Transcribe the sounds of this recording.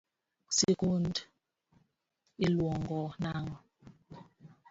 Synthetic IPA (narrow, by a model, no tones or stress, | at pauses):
sikund | ilwɔŋɡɔnaŋɔ